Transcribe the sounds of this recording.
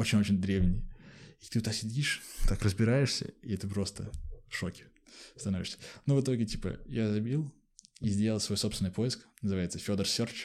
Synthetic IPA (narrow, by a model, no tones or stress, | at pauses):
o̞t͡ɕɪnʲo̞t͡ɕɪnʲd̪ɾʲe̞vnʲɪjit̪ɨʊt̪asʲɪdʲiʂt̪akrəzbʲɪɾajɪʂsʲə̰iɛt̪ɨpɾo̞st̪əʂo̞kʲɪ̥ | st̪ɐno̞vʲɪʂsʲə̥novɨt̪o̞ɡʲɪtʲi̥pə̰jazɐbʲilˠ | izʲdʲelʲˠəlˠsvo̞jsopst̪vʲɪnjpʰo̞jɪsknəzɨvaɪt̪səfʲo̞d̪ərsʲort͡ɕ